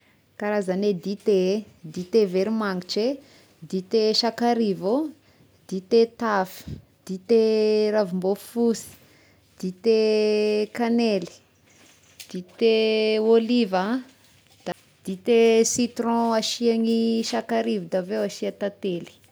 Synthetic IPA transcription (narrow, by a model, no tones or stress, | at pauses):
kaɾazaned̪it̪e | d̪it̪eveɾimaŋit͡ʃe | d̪it̪eʃakaɾivo | d̪̥it̪et̪afiə̥ | d̪̥it̪eɾavumbofusi̥ | d̪̥it̪e | kaneli̥ | d̪̥it̪eoliva | d̪̥a | d̪̥it̪esit̪rɔ̃aʃiaŋiʃakaɾivid̪avewaʃiat̪at̪eli̥